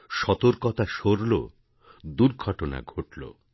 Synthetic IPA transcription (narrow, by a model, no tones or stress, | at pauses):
ʃɔt̪oɾkɔt̪aʃoɾlo̰ | d̪uɾɡʱɔʈona̰ɡʱoʈlo̰